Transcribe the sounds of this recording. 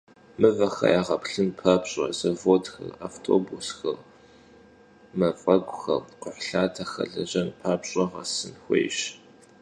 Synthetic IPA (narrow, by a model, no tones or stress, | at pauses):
mɨvɐxɐ̰jaːʁɐpɬɨmpʰabɕʼɐ̰zɐvoːtxɐ̰ra̰ːftʰo̰ːbusxɐr | mɐfʼɐɡʷʼʊxɐ̰rqʷʊħɬaːtʰɐxɐ̰ɮɐʑɐnpʰaːbɕʼɐʁɐ̰sɨnxʷḛjɕ